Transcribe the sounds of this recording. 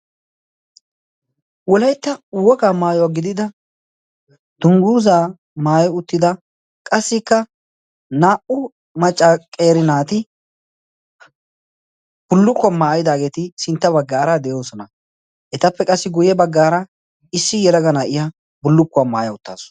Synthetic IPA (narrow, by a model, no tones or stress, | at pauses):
wɔlɐjt̪ːɐwɔkaːmaːjɔwaːɡɪd̪ɪd̪ɐ | d̪̥ʊŋɡuːzaː | maːjɛʊt̪ːɪd̪ɐ | kʼɐsːɪkːɐ | naːʔʊ | mɐt͡ʃʼːakʼeːɾɪnaːt̪ɪ | b̥ʊlːʊkːamaːjɪd̪aːɡe̞ːt̪ɪsɪnt̪ːɐbɐɡːaːɾad̪ɛjo̞ːsɔnɐ | ʔɛt̪ɐpːɛkʼɐsːɪɡʊjɛbɐɡːaːɾɐ | ɪsːɪjɛlɐɡɐnaːʔɪja | bʊlːʊkːʊamaːjɐʊt̪ːa̰ːs